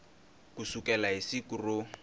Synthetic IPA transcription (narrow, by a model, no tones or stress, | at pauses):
kusukʼɛlaisikurʊ